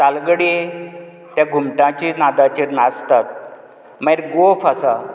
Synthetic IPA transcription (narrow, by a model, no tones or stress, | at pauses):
t̪alɡəɽi | t̪jaɡʱumʈãt͡ɕinad̪ãt͡ɕiɾnast̪at̪̚ | mãjɾɡofasa